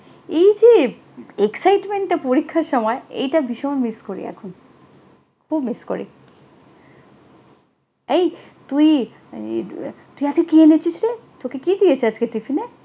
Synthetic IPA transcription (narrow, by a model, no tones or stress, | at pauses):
ejd͡ʑe | eksajʈmeɳʈʈapoɾikʰːaɾʃɔmɔeḛjʈabiʃɔonmiskoɾḭɛ̰kʰon | kʰubmisko̰ɾḭ | ej | t̪uj | t̪uiad͡ʑɡekienet͡ɕiʃɾet̪okekid̪ijet͡ɕʰead͡ʑkeʈifʰine